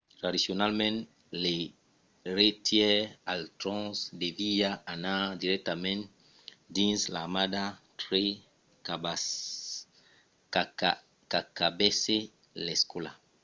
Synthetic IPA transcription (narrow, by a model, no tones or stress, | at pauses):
t̪ɾadisjonalmɛ̃n | le | ɾet̪jɛalt̪ɾɔ̃sd̪eviaanad̪iɾɛk̚t̪amɛ̃n | d̪ĩnslamad̪at̪ɾe | ka | a | kakabese | leskola̰